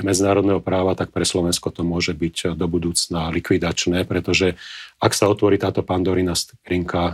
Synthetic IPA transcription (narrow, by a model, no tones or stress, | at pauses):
mɛd͡zinaːɾɔd̪nɛɦɔpɾaːʋat̪ak̚pɾɛslɔʋɛnskɔt̪ɔmʊɔʒɛbicd̪ɔbud̪uːt͡snalikʋid̪at͡ʃnɛːpɾɛt̪ɔʒɛaksaɔt̪ʋɔɾiːt̪aːt̪ɔpaːnd̪ɔɾinast̪ɾiŋkʰa